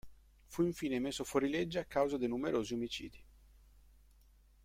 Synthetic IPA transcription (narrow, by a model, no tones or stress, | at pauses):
fuiɱfiːnemesːofoɾiled͡ʒːaakːawzad̪enumeɾoːziomit͡ʃḭːd̪i